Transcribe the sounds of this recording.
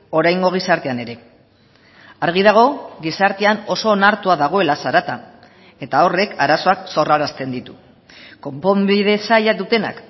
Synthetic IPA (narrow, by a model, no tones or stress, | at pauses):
o̞ɾajŋɡo̞ɣ̞isaɾt̪e̞ane̞ɾe̞ | aɾɣ̞iðaɣ̞o̞ɣisaɾt̪e̞ano̞so̞ːnaɾt̪uaðaɣ̞o̞e̞lasaɾat̪a | e̞t̪ao̞re̞kʰaɾaso̞akso̞raɾast̪e̞nd̪it̪u̥ | ko̞mpo̞mbiðe̞sajad̪ut̪e̞na̰k